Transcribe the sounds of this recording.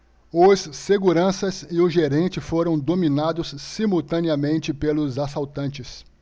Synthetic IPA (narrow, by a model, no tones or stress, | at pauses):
ʊsːeɡuɾɐ̃sɐsɪʊʒeɾẽnt͡ʃɪfoɾɐ̃w̃d̪ominad̪ʊsːimuwt̪ɐ̃niɐmẽnt͡ʃɪpelʊzasawt̪ɐ̃nt͡ʃɪs